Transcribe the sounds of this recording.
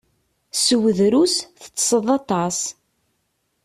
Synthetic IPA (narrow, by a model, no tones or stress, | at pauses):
səwəðɾusθə̥t͡sːsˤəðˤɑt̪ˤɑs